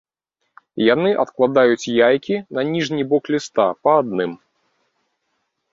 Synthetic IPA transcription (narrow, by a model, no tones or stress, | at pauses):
janɨʔɐ̰t̪klˠad̪ajut͡sʲjajkʲinɐnʲiʐnʲibɔklʲist̪a̰pɐːd̪nɨm